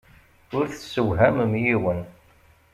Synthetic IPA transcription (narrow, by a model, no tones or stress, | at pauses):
ʊɾθəsəwɦæmmjiwən